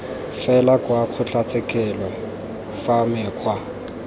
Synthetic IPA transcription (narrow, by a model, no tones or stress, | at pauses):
fɛlakʼwaq͡χʰʊt͡ɬat͡sʼɪkʼɛlɔ | famɪːq͡χʰwa